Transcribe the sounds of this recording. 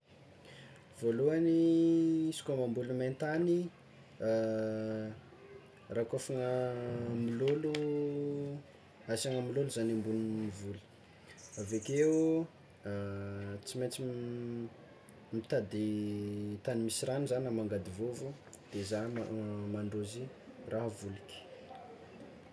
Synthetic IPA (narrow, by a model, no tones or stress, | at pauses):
v̥oluani | isi̥kamambulument̪ani | rakofaŋəmilolu | asaŋəmiloluzanimbunnivulə̥ | avekeu | t͡simet͡si | mit̪ad̪i | t̪animisiranizanamaŋɡad̪ivovu | d̪̥ezaamaɳɖ͡ʐozi | rʔaɦvuliki̥